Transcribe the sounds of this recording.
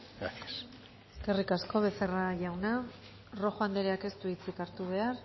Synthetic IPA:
s | eske̞rikasko̞βe̞se̞raʝawna | ro̞xoand̪eɾeake̞st̪uit͡sikaɾt̪uβ̞e̞ar

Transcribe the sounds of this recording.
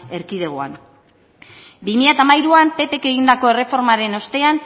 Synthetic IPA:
e̞ɾkið̞e̞ɣ̞oa̰n | bimiʎat̪amajɾuampe̞pe̞ke̞ɣ̞ind̪ako̞e̞re̞fo̞ɾmaɾe̞no̞st̪e̞an

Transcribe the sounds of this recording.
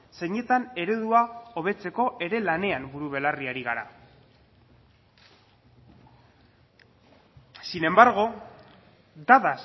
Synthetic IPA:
se̞ɲe̞t̪ane̞ɾeðuao̞β̞e̞t͡se̞ko̞ʔe̞ɾe̞lane̞ambuɾuβ̞e̞lariaɾiɣaɾa | sine̞mbaɾɣ̞o̞ | d̪aðas

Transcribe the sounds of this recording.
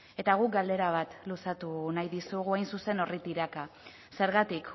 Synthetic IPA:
e̞t̪aɣ̞uk̚ɡald̪e̞ɾaβ̞at̪lusat̪unajðisuɣuajnsuse̞no̞rit̪iɾaka | se̞ɾɣat̪ik

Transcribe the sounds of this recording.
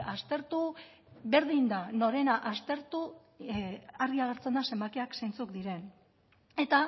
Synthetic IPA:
ast̪e̞ɾt̪u | βe̞ɾðind̪ano̞ɾe̞naʔast̪e̞ɾt̪u | aɾðiaɣ̞eɾt͡se̞nd̪ase̞mbakeakse̞jnt͡sukd̪iɾe̞n | e̞t̪a

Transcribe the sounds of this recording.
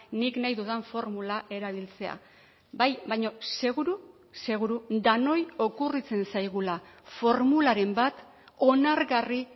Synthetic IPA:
niknajðuðaɱfo̞ɾmulaʔe̞ɾaβ̞ilt͡se̞a̰ | bajbajɲo̞se̞ɣuɾu | se̞ɣ̞uɾud̪ano̞jo̞kurit͡se̞nsajɣ̞ulafo̞ɾmulaɾe̞mbat̪ | o̞naɾɣari

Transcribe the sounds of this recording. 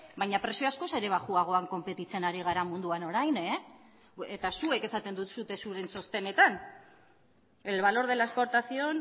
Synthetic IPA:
bajɲapɾe̞sijoasko̞se̞ɾe̞β̞aʝuaɣ̞o̞aŋko̞mpe̞t̪it͡se̞naɾiɣ̞aɾamund̪uano̞ɾajne | et̪asue̞ke̞sat̪e̞nd̪ut̪sut̪e̞suɾe̞nso̞st̪e̞ne̞t̪an | e̞lβ̞alo̞ɾð̞e̞laespo̞ɾt̪aθio̞n

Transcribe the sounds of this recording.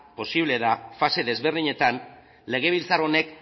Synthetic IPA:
po̞siβle̞ðafase̞ðe̞zβe̞ɾðiɲe̞t̪an | le̞ɣ̞e̞β̞ilt͡saɾone̞k

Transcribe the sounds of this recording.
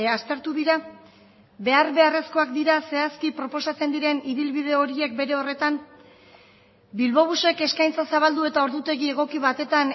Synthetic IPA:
ast̪e̞ɾt̪uðiɾa | be̞aɾβe̞are̞sko̞ak̚d̪iɾase̞askipɾo̞po̞sat͡se̞nd̪iɾe̞niðilβiðe̞o̞ɾie̞k̚be̞ɾe̞o̞re̞t̪am | bilβo̞β̞use̞ke̞skajnt͡sasaβald̪ue̞t̪ao̞ɾðut̪e̞ɣie̞ɣ̞o̞kiβat̪e̞t̪an

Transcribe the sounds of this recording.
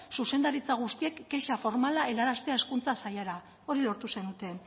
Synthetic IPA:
suse̞nd̪aɾit͡saɣ̞ust̪ie̞kɡeʃafo̞ɾmalae̞laɾast̪eae̞skunt͡sasajaɾa | o̞ɾilo̞ɾt̪use̞nut̪e̞

